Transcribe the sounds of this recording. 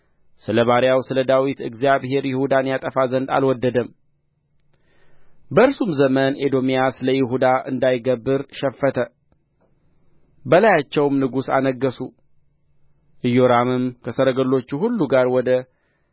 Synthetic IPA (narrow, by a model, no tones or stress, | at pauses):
sɨləβaɾjawsɨləd̪awit̪ɨ̰ɡzijaβhɦe̞ɾjɪhud̪anjat̪ʼəfazənd̪a̰lwɔd̪ːəd̪əm | bəɨɾsumzəmənʔed̪o̞mijasɨləjɪɦud̪aʔɨ̰nd̪ajɡəbːɨɾʃɛfːət̪ʰə | bəlajat͡ʃːɛwmnɨɡusa̰nəɡːəsu | ʔɨjo̞ɾamɨmkʰəsəɾəɡəlːo̞t͡ʃːuhulːuɡaɾwɔd̪ə